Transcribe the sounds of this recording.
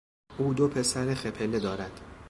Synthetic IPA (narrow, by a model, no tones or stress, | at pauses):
ʔuːd̪opʰe̞sæɾexepʰele̞d̪ɒːɾæd̪̥